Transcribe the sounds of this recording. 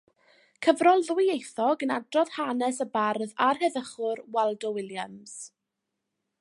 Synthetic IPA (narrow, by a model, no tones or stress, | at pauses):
kʰəvrɔlˠðʊɪejθɔɡənadrɔð̥hanɛsəbarðarhɛðəχʊrwɛlˠdɔwɪlˠjams